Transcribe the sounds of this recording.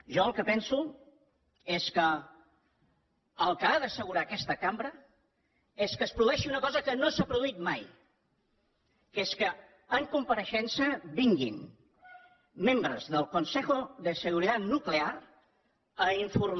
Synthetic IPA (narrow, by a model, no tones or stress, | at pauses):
ʒɔəlˠkəpɛnsu | eskə | əlˠkəaðəsəɣ̞uɾakɛst̪əkambɾə | eskəːspɾuðuɛʃiunəkɔzəkənosapɾuðuit̪maj | keskəː | ŋkumpəɾəʃɛnsəβiŋɡin | membɾəzðəlˠkunsɛxuðəsəɣ̞uɾit̪at̪nuklear | əiɱfur